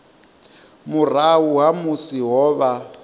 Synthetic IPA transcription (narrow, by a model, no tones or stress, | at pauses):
mur̤awuwamusiɦɔːβa